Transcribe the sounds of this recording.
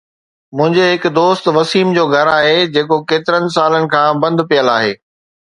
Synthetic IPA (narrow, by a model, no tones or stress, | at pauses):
mʊ̃ɦɪ̃ɲd͡ʑeɦɪkd̪oːst̪ʋɐsiːmd͡ʑoːɡʱɐɾaːɦed͡ʑeːkokeːt̪ɪɾənɪ̆s̬aːlənɪ̆kʰãːbɐ̃nd̪pijəlaːɦeː